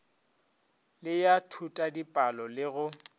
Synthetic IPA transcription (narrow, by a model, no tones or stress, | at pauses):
lɪjatʰutʼadipʼalɔlɪɣʊ